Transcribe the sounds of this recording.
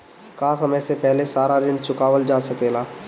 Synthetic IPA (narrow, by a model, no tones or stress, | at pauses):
kaːsɐməjsepɛɦlesaːɾaɾɪ̃nɖt͡ʃʰʊkaːʋəld͡ʒaːsɐkeːlaː